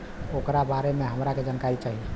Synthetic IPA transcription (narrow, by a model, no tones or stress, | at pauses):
okɾabaɾemeɦəmɾaked͡ʒankaɾit͡ʃaɦi